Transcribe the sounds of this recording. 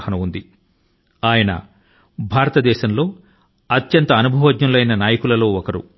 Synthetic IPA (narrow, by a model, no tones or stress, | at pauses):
hɐnɐund̪i | aːjɐnɐ̰ | bʱaːɾɐt̪ɐd̪ɛːʃɐmlo̞ː | ɐt̪jɐnt̪ɐːnubʱɐʋɐdɲɐmlɐjnɐnaːjɐkulɐlo̞ːɔkɐɾṵ